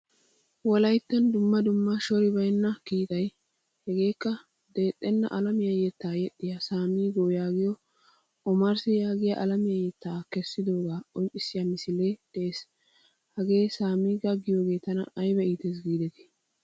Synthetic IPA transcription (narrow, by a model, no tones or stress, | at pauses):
wɔlɐjt̪ːɐnd̪ʊmːɐd̪ʊmːɐʃɔɾɪbɐjnːɐkiːk̪ɐj | hɛɡe̞ːkːɐ | d̪e̞ːt̪ʼːɛnːɐ̰ʔɐlɐmɪjɐjɛt̪ːaːjɛtːɪjasaːmiːɡoːjaːɡɪjɔ | ʔɔmɐɾsɪjaːɡɪja̰ʔɐlɐmɪjɐjɛt̪ːaːkɛsːɪd̪o̞ːɡaːʔɔnt͡ʃʼːɪsɪjamɪsɪle̞ːd̪̥ɛeːs | hɐɡe̞ːsaːmiːɡɐɡɪjo̞ːɡe̞ːt̪ɐnɐ̰ɐjbɛiːt̪ɛs̬ɡiːd̪ɛt̪ɪ̥